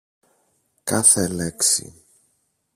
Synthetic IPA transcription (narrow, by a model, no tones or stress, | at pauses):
kɐθeleksḭ